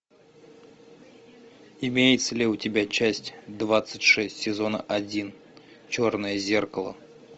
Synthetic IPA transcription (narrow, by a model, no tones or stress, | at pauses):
ɪmʲejɪt̪səlʲɪʊtʲɪbʲat͡ɕæsʲtʲd̪vat̪sɨtʲʂɛsʲtʲsʲɪzonə̰ʔɐdʲin | t͡ɕornəjəzʲerkəlˠə̰